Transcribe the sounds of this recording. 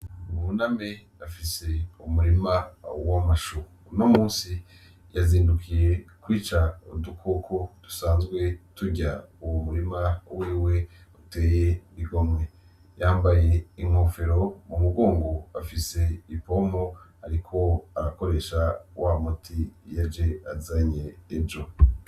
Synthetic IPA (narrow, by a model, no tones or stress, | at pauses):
munamejafise̞umuɾimawamaʃu | no̞muːnsi | jaziːndukʰije̞kwiːt͡ʃaodukʰokʰod̥u̥saːnzɡwe̞tuɟauwomuɾimawiːwe̞ute̞ːjeβiɡo̞mŋwe | jaːmbaje̞iŋ̥hoːfe̞ɾo̞mumuɡoːŋɡoafise̞ipo̞moaɾikʰo̞aɾako̞ɾe̞ːʃawamotʰijad͡ʒe̞azaɲeːd͡ʒo